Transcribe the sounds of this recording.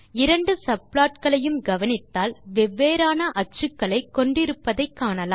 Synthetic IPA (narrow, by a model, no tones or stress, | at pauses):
ɪɾɐɳɖɯsɐpɭaːʈkɐɭɐjɯmɡɐʋɐnɪt̪ːaːlʋɛʋːeːɾaːnɐʔɐt͡ʃːɯkːɐɭɐɪkːɔɳɖɪɾɯpːɐðɐɪkːaːɳɐlaː